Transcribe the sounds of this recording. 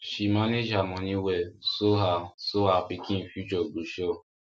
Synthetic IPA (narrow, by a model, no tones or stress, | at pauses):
ʃimaned͡ʒamɔ̃nĩwɛsoɦasoafikĩfut͡ʃɔɡ͡buʃɔ